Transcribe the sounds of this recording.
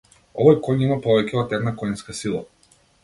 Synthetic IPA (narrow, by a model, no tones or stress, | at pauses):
ɔvɔjkɔɲimapɔvɛcʲɛɔt̪ɛɾnakɔjnskasilˠa̰